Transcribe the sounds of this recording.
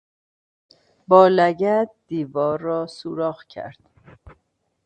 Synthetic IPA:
bɒːlæɟæt̪̚d̪iːvɒːɾːɒːsuːɾɒːɣcʰæ̰ɾd̪̥

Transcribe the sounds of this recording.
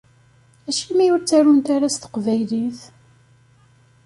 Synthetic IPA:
æʃimijʊɾt͡sːæɾunt̪aɾast̪ə̥qvæjliθ

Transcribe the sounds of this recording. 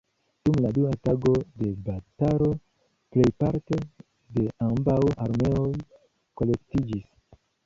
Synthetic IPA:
d̥umladuataɡo̞de̞bataɾo̞ | ple̞jpaɾte̞ | de̞ambawaɾme̞oj | ko̞le̞ktid͡ʒis

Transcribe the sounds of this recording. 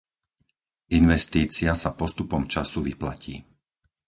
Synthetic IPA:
inʋɛst̪iːt͡siasapɔst̪upɔmt͡ʃasuʋipla̰cḭː

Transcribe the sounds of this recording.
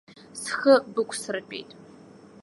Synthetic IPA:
sxɐbɨkʷʼsɨrɨpʲʼḛjtʼ

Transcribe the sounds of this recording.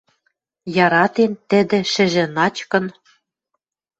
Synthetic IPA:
jɑɾɑt̪ent̪ɘ̆d̪ɘ̆ʃɘ̆ʒɘ̆nɑt͡ɕkɤ̆n

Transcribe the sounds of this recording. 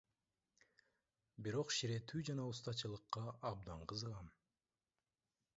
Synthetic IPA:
biɾo̞qʃiɾe̞t̪ʰyːd͡ʒɑnɑust̪ɑt͡ʃɯlˠɯqːɑʔɑb̚d̪ɑɴqʰɯzɯʁɑn

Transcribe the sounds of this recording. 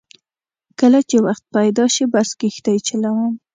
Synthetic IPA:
kəlat͡ʃewaxt̪̚pajd̪ɑʃibaskixt̪ajt͡ʃalawəm

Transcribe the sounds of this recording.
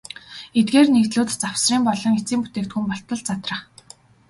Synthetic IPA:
et̪̚ɡeːrnekt̪ɮʊːt̪t͡saw̥sriːmpɔɮɞ̆ŋit͡siːmput̪eːkt̪xumpɔɬt̪ɞ̆ɮt͡sat̪rə̆χ

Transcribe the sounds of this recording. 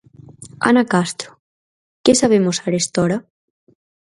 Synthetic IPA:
a̰nakast̪ɾo̥ | kesaβ̞emosaɾest̪ɔɾa

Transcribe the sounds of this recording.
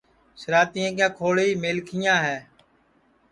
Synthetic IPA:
ʃəɾaːt̪iːãːkjãːkʰoːɽiːmeːlkʰɪjãːɦɛː

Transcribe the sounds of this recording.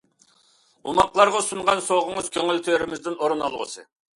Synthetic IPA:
umɑqlˠɑɾʁɑsuɴʁɑnsoʁʊŋəz̥kʲʰøŋylt̪ʰøɾɪmɪzd̪ɪnoɾɨnɑlˠʁə̰sɨ

